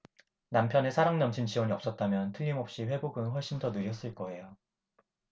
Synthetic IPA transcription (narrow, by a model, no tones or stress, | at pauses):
nampʰjʌne̞sʰaɾaŋnʌmt͡ɕʰint͡ɕʰiwʌɲiʌp̚s͈ʌt̚t͈amjʌntʰɯːimɦʌp̚ɕ͈iɸwe̞boɡɯnɸwʌɭɕ͈indʌnɯɾjʌs͈ɯɭk͈ʌe̞jo